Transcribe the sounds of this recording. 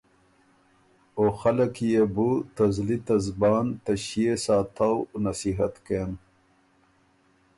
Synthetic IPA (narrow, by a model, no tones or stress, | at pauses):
oxɐlɐkjebut̪ɐzlit̪ɐzbaːnt̪ɐɕijesaːt̪ʰawnɐsiɦɐt̪keːn